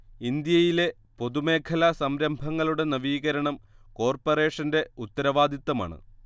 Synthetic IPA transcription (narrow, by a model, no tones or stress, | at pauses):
ind̪jɐjile̞ | po̞ðume̞ːkʰɐlɐsɐmɾɐmbʱɐŋːɐɭuɽe̞nɐʋiːɣɐɾɐɳɐmko̞ːrpɐre̞ːʂɐnde̞ut̪ːɐɾɐʋaːd̪it̪ːɐma̰ːɳɨ̰